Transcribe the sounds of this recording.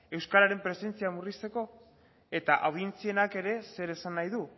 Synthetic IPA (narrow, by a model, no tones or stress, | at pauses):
e̞wskaɾaɾe̞mpɾe̞se̞nt͡siamurist̪e̞ko̞ | e̞t̪aʔawðient͡sie̞nake̞ɾe̞se̞ɾe̞sanːajðu